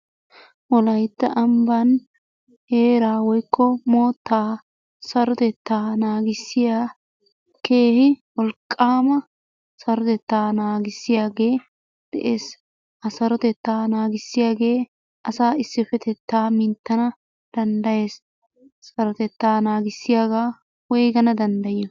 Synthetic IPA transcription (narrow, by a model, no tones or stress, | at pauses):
wɔlɐjt̪ːɐʔɐmbɐn | he̞ːɾaːwɔjkːɔmoːt̪ːaː | sɐɾɔt̪ɛt̪ːaːnaːɡɪsːɪjaː | ke̞ːhɪwɔlkʼːaːmɐ | sɐɾɔt̪ɛt̪ːaːnaːɡɪsːɪjaːɡe̞ː | d̪̥ɛʔeːs | ʔɐsɐɾɔt̪ɛt̪ːaːnaːɡɪsːɪjaːɡe̞ː | ʔɐsaːɪsːɪfɛt̪ɛt̪ːaːmɪnt̪ːɐnɐ | d̪̥ɐnd̪ɐje̞ːsː | ɐɾɔt̪ɛt̪ːaːnaːɡɪsːɪjaːɡaː | wɔjɡɐnɐd̪ɐnd̪ɐjɪɔ